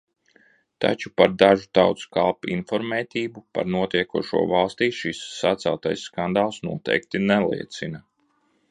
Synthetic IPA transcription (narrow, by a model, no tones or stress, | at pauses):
t̪a̰t͡ʃupaɾd̪aʒut̪awt̪skalˠpinfɔɾmɛːt̪ʲiːbupa̰ɾnuɔt̪iɛkuɔʃṵɔvalˠst̪iːʃisːat̪sælˠt̪ajsːkand̪aːlˠsnuɔt̪ɛ̰jk̚t̪inɛlˠḭɛt̪sina